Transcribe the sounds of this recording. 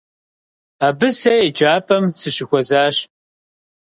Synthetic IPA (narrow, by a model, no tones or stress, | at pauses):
aːbɨsɐjed͡ʒaːpʼɐmsɨɕɪxʷɔzaːɕ